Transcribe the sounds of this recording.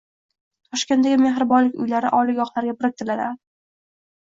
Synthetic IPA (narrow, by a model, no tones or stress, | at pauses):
t̪ʰɒʃkʲent̪aɡʲɪmeɦɾɪbɒnlɪkʲʊ̰jlaɾɪ̰ʔɒlɪɡʲɒχlaɾɡʲapɾɪk̚ʲt̪ʰɪlad̪ɪ